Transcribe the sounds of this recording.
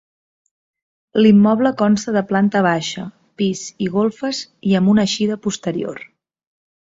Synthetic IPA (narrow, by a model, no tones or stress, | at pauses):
limːɔβləkɔnst̪əðəplant̪əβ̞aʃə | piziɣolˠfəziəmbunəʃiðəpust̪əɾio̰r